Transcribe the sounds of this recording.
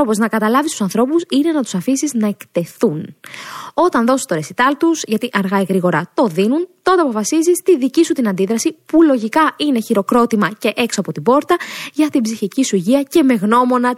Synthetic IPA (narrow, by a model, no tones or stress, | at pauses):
opo̞znɐkɐt̪ɐlɐvist̪u̥sɐnθɾo̞pusine̞nɐt̪u̥sɐfisiznɐe̞kt̪e̞θun | o̞t̪ɐnðo̞si̥st̪o̞ɾesit̪ɐlt̪usʝɐt̪iʔɐɾɣɐiɣɾiɣo̞ɾɐt̪o̞ðinunt̪o̞nd̪eɐpo̞fɐsizist̪iðicisut̪inɐnd̪iðɾɐsipulo̞ʝikɐʔine̞çiɾo̞kɾo̞t̪imɐce̞ʔe̞ksoɐpo̞t̪ibo̞ɾt̪ɐʝɐt̪ibziçicisuʝiɐce̞me̞ɣno̞mo̞nɐ